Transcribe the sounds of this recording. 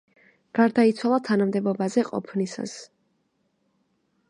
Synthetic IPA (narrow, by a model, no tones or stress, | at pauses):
ɡ̥aɾd̪ait̪sʰwalˠat̪ʰanamd̪ɛbɔbazɛqʼɔ̰pʰnisa̰s